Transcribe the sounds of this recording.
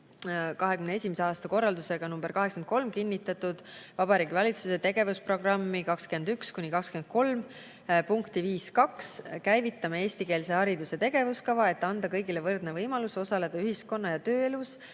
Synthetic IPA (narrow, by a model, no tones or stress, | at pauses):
kɑɦekymnee̞sʲimeseɑːst̪ɑko̞rːɑld̪use̞ɡ̥ɑnumb̥e̞rkɑɦeksɑenko̞lmkinʲːit̪ːˑɑt̪ːˑud̪̥vɑb̥ɑɾiːɡivɑlʲit̪suset̪e̞ɡ̥e̞vuspro̞ɡ̥rɑmːikɑkskyend̪ykskunʲikɑkskymend̪̥̚ko̞lm | puŋkt̪iviːskɑkskæjvit̪ːˑɑmee̞ːsʲt̪ike̞ːlse̞hɑɾid̪use̞t̪e̞ɡe̞vuskɑvɑe̞t̪ːɑnd̪ɑkɤjɡilevɤrd̪̥nevɤjmɑluso̞sɑle̞d̪̥ɑyɦisko̞nːɑjɑt̪øːe̞lus